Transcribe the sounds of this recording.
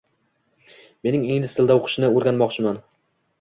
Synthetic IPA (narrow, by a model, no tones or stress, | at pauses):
me̞nɪŋeŋlɪst̪ʰɪld̪aoqʰɨ̥ʃɪnɪoɾɡʲanmɒqt͡ʃʰɪman